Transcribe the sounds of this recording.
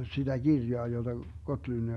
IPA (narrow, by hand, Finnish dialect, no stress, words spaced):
sid̥æ ɡ̊irjoɑ jod̥ɑ ɡotlynːi